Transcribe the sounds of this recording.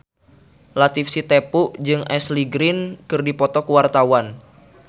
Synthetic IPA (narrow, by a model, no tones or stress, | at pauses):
lat̪ifsit̪epuʔd͡ʒɨŋɛsliɡɾinkɨrdipɔt̪ɔkuwart̪awan